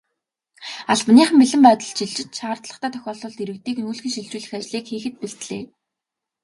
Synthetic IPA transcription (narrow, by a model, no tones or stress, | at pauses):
aɮpniːχə̆mpiɮɘ̆mpœːt̪ɞ̆ɮt͡ɕʰiɮt͡ɕɪ̆t͡ɕ̪ʃaːrt̪ɮə̆t̪ʰæːt̪ʰœ̥xʲɔːɮɞ̆ɮt̪iɾɘ̆kt̪iːknuːɮxĭnʃiɮt͡ɕuːɮɘ̆xat͡ɕɮiːkxeːxɘ̆t̪̚piɬt̪ɮḛː